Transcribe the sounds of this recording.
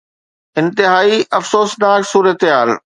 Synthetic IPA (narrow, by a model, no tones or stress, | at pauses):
ɪ̃nt̪ɪɦaːiʔɐfsoːsnaːksuːɾət̪ɦaːl